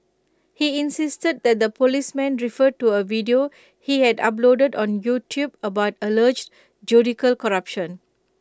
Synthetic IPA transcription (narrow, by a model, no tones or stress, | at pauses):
hiĩnsistəd̚d̪ɛt̚d̪əpolismɛ̃nɹifəd̚tuəvidio | hihɛda̰plodədɔ̃njutʰjubəbaʊtələd͡ʒ | d͡ʒjudikəlkɔɹapʃə̃n